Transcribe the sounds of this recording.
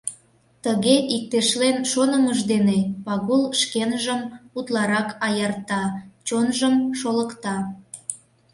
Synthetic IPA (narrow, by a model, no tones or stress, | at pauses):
t̪əɣeʔik̚t̪eʃlenʃonəməʒd̪enepɑɣulʃkenʒəmut̪lɑɾɑkɑjɑrt̪ɑt͡ɕonʒəmʃoləkt̪ɑ